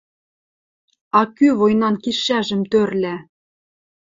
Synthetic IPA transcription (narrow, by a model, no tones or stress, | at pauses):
ɑkyβojnɑnkiʃæʒɘ̆mt̪ørlʲæ